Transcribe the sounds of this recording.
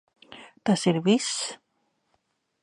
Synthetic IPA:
t̪aseɾβis

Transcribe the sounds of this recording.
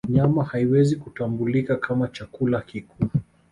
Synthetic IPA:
ɲamahaiwɛzikutambulikakʰamat͡ʃakulakikʰuː

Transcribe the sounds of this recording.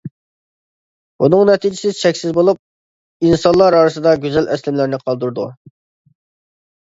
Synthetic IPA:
bunɨŋnɛt̪ʰid͡ʒisɪt͡ʃʰɛkʲsɪzbolˠup̚ | insɑnlˠɑɾɑɾɨsɨd̪ɑɡʲyzɛlɛslɪmlɪɾnɪqʰɑlˠd̪uɾd̪u

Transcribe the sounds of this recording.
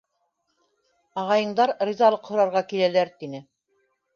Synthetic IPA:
ɑʁɑjɤ̆ɴd̪ɑɾrizɑlˠɤqhŏɾɑɾʁɑkilælæɾt̪inɘ

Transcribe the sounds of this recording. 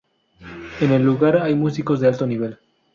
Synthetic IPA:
ene̞lːuɣaɾajmusiko̞zðealt̪o̞niβ̞e̞l

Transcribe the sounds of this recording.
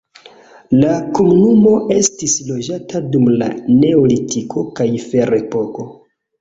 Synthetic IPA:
lakomunumo̞ʔe̞stislo̞d͡ʒatadumla̰ne̞olitikʰo̞kajfe̞ɾe̞po̞ko̞

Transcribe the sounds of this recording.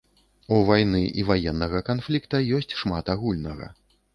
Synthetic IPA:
uvajnɨʔivajɛnːɐɣɐkanflʲikt̪ɐjɔsʲt͡sʲʂmat̪aɣulʲnɐɣɐ̰

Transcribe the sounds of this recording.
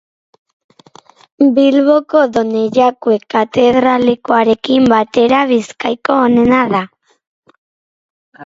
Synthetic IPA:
bilβo̞ko̞ðo̞neʎakue̞kːat̪e̞ðɾalekoaɾe̞kimbat̪e̞ɾaβiskajkoːne̞naða

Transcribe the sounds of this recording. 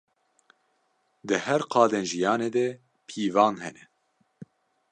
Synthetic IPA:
d̪ɨhɛɾqʰɑːd̪enʒijɑːneːd̪ɛ | pʰiːvɑːnɦɛnɛ

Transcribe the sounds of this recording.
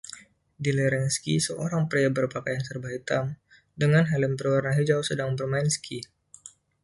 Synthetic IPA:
dilɛɾɛŋskisəʔoɾaŋpɾiabərpakajansərbait̪am | dəŋanɦaləmbərwarnaɦid͡ʒawsədaŋbərmanskʰi

